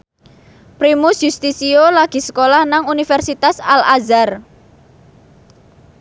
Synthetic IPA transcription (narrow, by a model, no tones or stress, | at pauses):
pɾimusjust̪isiolaɡ̥i̤sə̥kolahnaŋunifɛrsit̪asalazar